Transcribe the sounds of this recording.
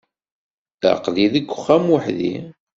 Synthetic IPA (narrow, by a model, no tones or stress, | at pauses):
ə̰qðiðəɡʷːʊχːæmwəħðḭ